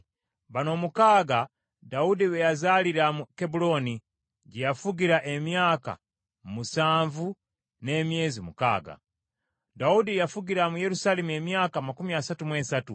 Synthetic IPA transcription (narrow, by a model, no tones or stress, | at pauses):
βano̞ːmukaːɡa | daudiβejazaːliɾamukebulo̞ni | ɟejafuɡiɾaʔe̞mjaːka̰ | musaːɱvu | ne̞ːmje̞ːzimuka̰ːɡa̰ | daudijafuɡiɾamuje̞ɾusale̞mue̞mjaːkamakumiasatumweːsatu